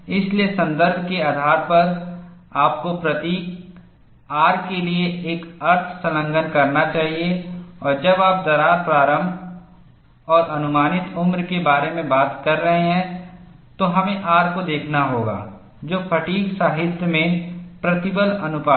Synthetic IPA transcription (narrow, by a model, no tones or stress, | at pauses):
ɪsliesɐ̃nd̪əɾbʱkeaːd̪ʱaːɾpɐɾ | aːp̚kopɾɐt̪iːk | aːɾkelieeːkɐɾt̪ʰsɐlə̃ŋɡənkɐɾnat͡ʃaːɦieɔːɾd͡ʒɐbaːp̚d̪ɐɾaːɾpɾaːɾə̃m | ɔːɾʔɐnʊmaːnɪt̪ʊmɾkebaːɾemẽbaːt̪kɐɾːəɦẽɦɛ̃ | t̪oɦɐmẽʔaːɾkod̪eːkʰnaɦoːɡa̰ː | d͡ʒoːpʰɐʈiːksaːɦɪd̪ʱjəmẽpɾɐt̪ɪbəlɐnʊpaː